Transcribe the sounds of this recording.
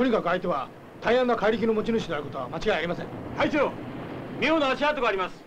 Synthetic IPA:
t̪o̞ɲ̟ikakɯ̟ait̪e̞βa | t̪aiãnːakaiɾʲik̬ʲino̞mo̞t͡ɕinɯ̟ɕid̪eaɾɯ̟ko̞t̪oamat͡ɕiɡaiaɾʲimasẽ̞ŋhaisoomʲioːnoaɕiaːt̪oɡaːɾʲimasɨ̥

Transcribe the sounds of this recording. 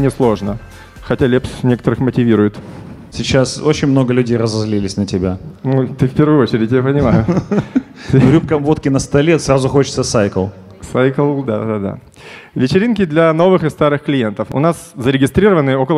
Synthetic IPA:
nʲɪslˠo̞ʐnə | xɐtʲalʲepsnʲe̞kət̪əɾɨxmətʲɪvʲiɾʊjɪt̪sʲɪt͡ɕaso̞t͡ɕɪnʲmnoɡəlʲʉdʲejrəzɐzlʲilʲɪsʲnətʲɪbʲanut̪ɨfʲpʲe̞rvɨjʊot͡ɕɪɾʲdɪtʲjapənʲɪmajʊ | t̪ɨɾʲup̚kəmvo̞t̪kʲɪnəst̪ɐlʲet̪srazʊxot͡ɕɪ̥t̪səsajkəlˠ | sajkəlˠd̪ad̪ad̪a̰ | vʲɪt͡ɕɪɾʲinkʲɪd̪lʲɐno̞vɨxɨst̪aɾɨxklʲɪje̞nt̪əfʊ̰naszəɾʲɪɡʲɪst̪ɾʲiɾəvənɨjəo̞kəlˠ

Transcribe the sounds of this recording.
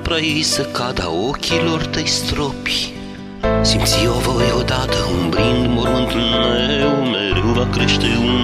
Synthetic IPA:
pɾaisəkad̪a̰okʲʰiloɾt̪ɐjst̪ɾopi̥ | simt̪siovaweod̪ad̪əũmbɾĩnd̪moɾunt̪nɛwmɛɾuwvakɾiʃt̪eu

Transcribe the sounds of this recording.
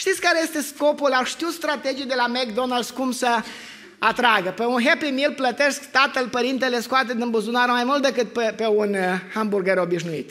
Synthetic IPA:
ʃt̪it̪sʲkaɾeje̞st̪e̞sko̞pulaʃt̪iut̪st̪ɾat̪e̞d͡ʒijd̪e̞lamekd̪onald̪skumsə | at̪ɾaɡəpeunɦepimilplət̪eskt̪at̪əlpəɾint̪eleskoat̪̬ed̪imbuzunaɾəmajmult̪̚d̪ekɨt̪̚pepeunhamburɡeɾo̞biʃnuḭt̪

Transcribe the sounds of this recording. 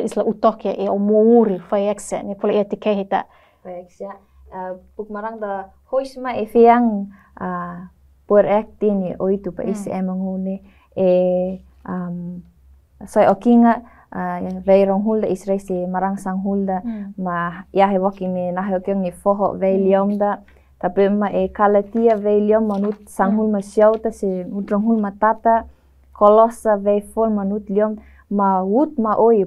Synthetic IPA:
islaʔut̪okaʔeomouɾifaɛksɛ̰nipolaʔiat̪ikeɦit̪a̰ | aeksia | puk̚maɾaŋd̪a | hojsmaefeaŋ | a | puɛɾɛk̚t̪iniʔoit̪upa̰ʔisʔɛmaŋulne | e | am | sojokiŋaʔ | vejɾɔŋɦuld̪aʔisɾajsemaɾaŋsaŋɦuld̪amajaɦewokimenaɦeokioŋefoɦo̰ʔvejliomd̪a | t̪apemaʔekalat̪iavejliomːanut̪̚saŋɦulmasiawt̪aseut̪rɔŋɦulmat̪at̪a | kʰolɔsavejfolmanut̪liom | maut̪̚maʔoj

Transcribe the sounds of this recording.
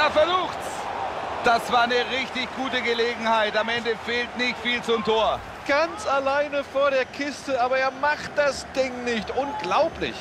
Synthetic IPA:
eːɐfɛɐzuːxts | d̥asv̥aːɐnəʁɪçtɪçɡ̥uːtəɡəleːɡŋ̩haɪtamɛndəfeːltnɪçtfiːlt͡sʊmtʰoːɐ | ɡ̥ant͡salaɪnəfoːɐɾeːɐkʰɪstəaːbɐeːɐmaχt̚d̥asd̥ɪŋnɪçtʔʊnɡlaʊplɪ̰ç

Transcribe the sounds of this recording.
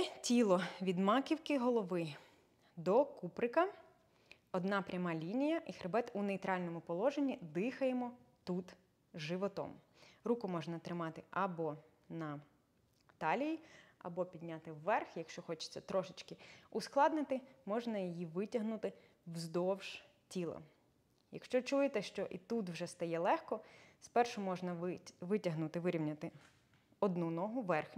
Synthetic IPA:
tʲilˠɔʋʲid̪mɑkʲiwkɪɦɔlˠɔʋɪ | d̪ɔkupɾɪkɐ | ɔd̪nɑpɾʲɐmɑlʲinʲijɐʔixɾebɛt̪uneit̪ɾɑlʲnɔmʊpɔlˠɔʒenʲːid̪ɪxɐjemɔt̪ut̪ | ʒɪʋɔt̪ɔ̰m | ɾukʊmɔʒnɐt̪ɾɪmɑt̪ɪʔɐbɔ | nɐ | t̪ɑlʲijiɐ̰bɔpʲid̪ʲnʲat̪ɪwːɛrxjɐkʃt͡ʃɔxɔt͡ʃɪ̥t͡sʲːɐt̪ɾɔʃɪt͡ʃkɪʊsklˠɑd̪nɪt̪ɪmɔʒnɐjijiʋɪtʲɐɦnʊt̪ɪ | wzd̪ɔwʒ̥ | tʲilˠɐ̰ | jɐ̰kʃt͡ʃɔt͡ʃujet̪ɛʃt͡ʃɔʔit̪ut̪wʒɛst̪ɐjɛlˠɛxkɔspɛrʃʊmɔʒnɐʋʋɪtʲɐɦnut̪ɪʋɪɾʲiwnʲɐt̪ɪ | ɔd̪nunɔɦʊʋɛrxnʲ

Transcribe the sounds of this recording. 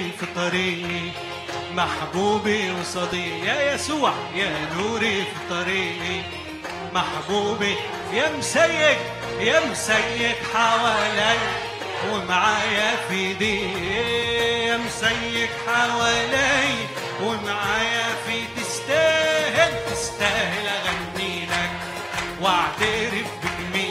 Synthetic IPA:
fɨt̪ˤɑɾiːʔi | maħbuːbiwsˤɑd̪ˤiːʔjajæsuːʕjaːnuːɾifɨt̪ˤɑɾiːʔi | maħbuːbi | jamsajːɪɡ̚ | jamsajːɪɡħawaːlaj | wɪmaʕaːjafiːd̪i | jamsajːɪkħawaːlaj | wɪmaʕaːjafiːt̪ɪst̪aːhɪlt̪ɪst̪aːhɪlaɣanːiːlak̚ | waʕt̪aɾɪfbɪlmiː

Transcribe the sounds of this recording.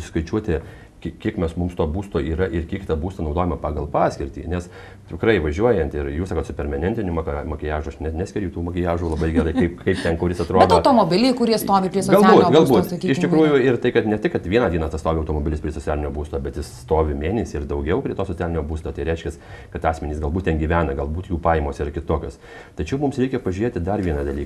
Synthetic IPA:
sʲɪskɐɪt͡ʃʲuɔt̪ʲɪ | kʲkʲiɛkmʲɛsmʊmst̪oːbuːst̪oːiːɾɐʔɪɾkʲiɛkt̪ɐbuːst̪ɐnɐʊd̪oːjɛmɐpɑːɡɐlˠpɑːsʲkʲɪɾʲt̪ʲḭːnʲɛs | t̪ʲɪkɾɐɪʋɐʒʲuɔjɛnt̪ɪɾjuːsɑːkoːt̪sʊpʲɛɾʲmʲɐnʲɛnʲt̪ʲɪnʲuːmɐkmɐkʲɪjæːʒuɐʃnʲɛnʲæsʲkʲɛɾʲɛʊt̪uːmɐkʲɪjæːʒuːlˠɐbɐɪɡʲɛɾɐɪkɐɪpkɐɪpt̪ʲɛnkʊɾʲjʲɪsɐt̪ɾoːd̪oʊt̪oːmobʲɪlʲiːkʊɾʲiɛst̪oːʋʲɪpʲɾʲiɛsɔɡɐlˠːbuːt̪ːɡɐlˠbuːt̪sɐkʲiɪʃʲt̪ʲɪkɾuːjʊɪrt̪ɐɪkɐt̪nʲɛt̪ʲɪkɐt̪ʋʲiɛnɐːdʲiɛnɐst̪ɐst̪oːʋʲɪɐʊt̪oːmoːbʲɪlʲɪspʲɾʲiɛsoɔt͡sʲæːlʲɪnʲoːbuːst̪oːbʲɛt̪jɪsst̪oːʋʲɪmʲeːnʲɛsʲiːɪrd̪ɐʊɡʲɛʊpʲɾʲiɛt̪oːsot͡sʲælʲɪnʲoːbuːst̪oːt̪ɐɪɾʲɛɪʃʲkʲɛs | kɐt̪ɑːsʲmʲɛnʲiːsɡɐlˠbuːt̪̚tʲɛnɡʲiːʋʲæːnɐɡɐlˠbuːt̪juːpɑːjmoːsɪrkʲɪt̪oːkʲoːs | t̪ɐt͡ʃʲɛʊmʊmsɾʲɛɪkʲɛpɐʒʲʉɾeːt̪ʲɪd̪ɐrʋʲiɛnɐd̪ɐlʲiːk

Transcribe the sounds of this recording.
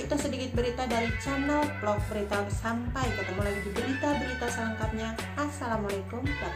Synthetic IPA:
it̪usədikɪt̪̚bəɾit̪adaɾit͡ʃanəlplɔk̚bəɾit̪awsampajkət̪əmalaɡidibəɾit̪abəɾit̪asələŋkap̚ɲa | ʔasalamalakʊmda

